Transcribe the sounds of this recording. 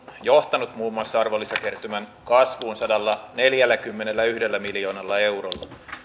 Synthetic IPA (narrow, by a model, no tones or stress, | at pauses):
joht̪ɑnut̪muːmːuɑsːɑɑrʋolːisɑkert̪ymæŋkɑsʋuːnsɑdɑlːɑne̞ljælːækymːenelːæyhde̞lːæmiljo̞ːnɑlːɑe̞urolːɑ